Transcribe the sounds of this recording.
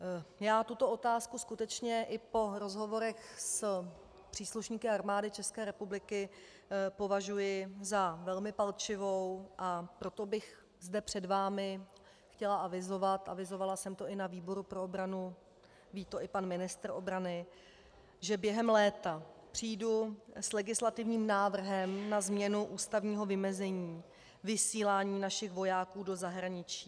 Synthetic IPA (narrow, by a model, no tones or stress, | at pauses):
jaːt̪ut̪oʔo̞t̪aːskuskut̪ɛt͡ʃɲɛʔɪpo̞ɾo̞zɦo̞vo̞ɾɛxs | pr̥iːsluʃɲiːkɪaɾmaːdɪt͡ʃɛskɛːɾɛpublɪkɪ | po̞vaʒujɪzavɛlmɪpalt͡ʃɪvo̞wʔapɾo̞t̪obɪx | zdɛpr̝̥ɛdvaːmɪ | xcɛlaavɪzo̞vat̪ʔa̰vɪzo̞valasɛmt̪o̞ɪnaviːbo̞ɾupɾo̞obɾanu | viːt̪o̞ʔɪpanmɪnɪst̪r̩ʔo̞bɾanɪ | ʒɛbjɛɦɛmlɛːt̪apr̥iːduslɛɡɪslat̪ɪvɲiːmnaːvr̩ɦɛmnazmɲɛnuʔuːst̪avɲiːɦo̞vɪmɛzɛɲiː | vɪsiːlaːɲiːnaʃɪxvo̞jaːkuːdo̞zaɦɾaɲɪt͡ʃiː